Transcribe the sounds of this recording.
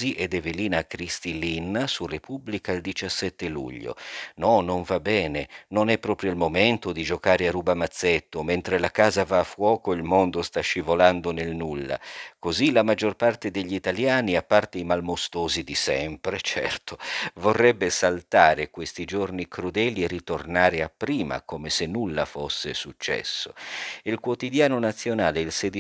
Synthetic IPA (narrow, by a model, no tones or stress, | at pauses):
iʔed̪ɛveliːnaːkɾist̪ilinːsurepubːlikaild̪it͡ʃasːɛt̪ːelṵʎːo̰nɔnoɱvabːɛːnenonɛpːɾɔːpɾjoilmoment̪od̪id͡ʒokaːɾearuːbamat̪sːet̪ːoment̪ɾelakaːzavaːfːwɔːkoilmond̪ost̪aʃːivoland̪onelnulːa̰kozilamad͡ʒːorpart̪ed̪eʎːiit̪aljaːniapːart̪eimalmost̪oːzid̪isɛmpɾet͡ʃɛ̰rt̪ʰovorːɛbːesalt̪aːɾekwest̪id͡ʒornikɾud̪ɛːlierːit̪ornaːɾeapːɾiːma̰koːmesenːulːafosːḛsut͡ʃːɛ̰sːoilkwot̪id̪jaːnonat̪sːjonaːleilsed̪i